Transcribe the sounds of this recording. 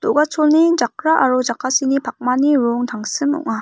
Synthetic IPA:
toɡat͡ɕʰonid͡ʑak̚ɾaʔaɾod͡ʑakʰasinipak̚maniɾoŋt̪aŋsɯmo̰ŋa

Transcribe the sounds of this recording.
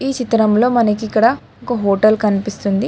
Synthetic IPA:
iːt͡ʃit̪ɾɐmlo̞ːmɐnɐkiikːɐɽɐ | okɐɦoːʈɐlkɐnipist̪und̪i

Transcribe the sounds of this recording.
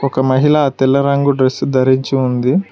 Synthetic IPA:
ɔkɐmɐɦiɭɐt̪ɛlːɐɾɐŋɡuɖɾesd̪ɐɾiɲt͡ʃiund̪i

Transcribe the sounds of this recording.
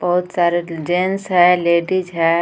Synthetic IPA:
b̥ɐɦʊt̪saːɾed͡ʒẽnsɦɛleːɖid͡ʒɦɛ

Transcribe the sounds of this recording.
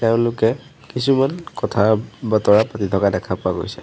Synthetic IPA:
tɛʊ̃nlʊkɛ | kis̬umankɔtʰabatɔɹapatitʰɔkadɛkʰapʊaɡo̰jsɛ

